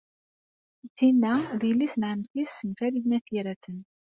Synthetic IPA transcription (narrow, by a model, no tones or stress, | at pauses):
θinːæðilːisnʕəmθisːənfæɾiðnæθiɾæθən